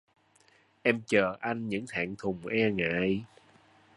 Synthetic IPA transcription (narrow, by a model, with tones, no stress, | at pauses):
ʔɛ˧mt͡ɕəː˨˩ʔa˧jŋ̟ɲɨ̰˧˥ŋt̪ʰa̰ː˧˨ŋt̪ʰʊ˨˩ŋ͡mʔɛː˧ŋa̰ː˧˨˦j